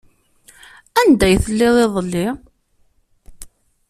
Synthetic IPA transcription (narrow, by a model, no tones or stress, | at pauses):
ænd̪æjθəlːɪðˤeðˤəlːi